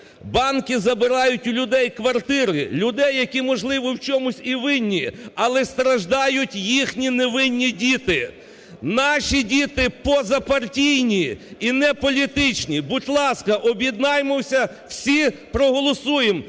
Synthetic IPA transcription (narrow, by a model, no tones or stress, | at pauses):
bɑnkʲɪzɐbɪɾɑjʊtʲʊlʲʊd̪ɛjkʋɐrt̪ɪɾɪlʲʊd̪ɛjːɐkʲimɔʒlˠɪʋɔwt͡ʃɔmʊsʲiʋɪnʲːiɐlˠɛst̪ɾɐʒd̪ɑjʊtʲjixnʲineʋɪnʲːidʲit̪ɪ | nɑʃʲidʲit̪ɪpɔzɐpɐrtʲijnʲiinɛpɔlʲit̪ɪt͡ʃnʲibʊtʲlˠɑskɐʔɔbʲjid̪nɑjmɔwsʲɐ | w̥sʲipɾɔɦɔlˠɔsujem